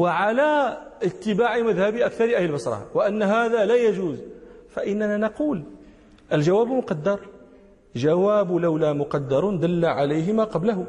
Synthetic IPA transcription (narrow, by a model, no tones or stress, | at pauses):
wəʕalaʔət̪ːɪbaʕɪmæðhæbiʔækθɑɾʔæhləlbɑsɾˤɑ̰wɪʔənːɦaðalæjæʒuːzfæʔɪnːænanɑquːl | ʔəlʒawæːbmʊqɑd̪ːɑɾˤ | ʒawæːblawlamʊqɑd̪ːɑɾˤnd̪əlːaʕalejɦɪmaqɑblaɦʊ